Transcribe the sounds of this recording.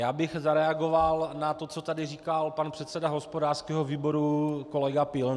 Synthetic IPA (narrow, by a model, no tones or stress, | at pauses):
jaːbɪɣzaɾɛaɡovalnat̪o̞t͡sot̪adɪriːkalpanpr̝̥ɛt̪sɛdaɦo̞spodaːr̥skɛːɦoviːbo̞ɾuko̞lɛɡapɪln